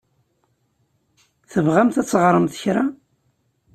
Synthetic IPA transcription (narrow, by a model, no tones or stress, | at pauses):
θəvʁæmθæt͡sːəʁɾˤəmθə̥çɾa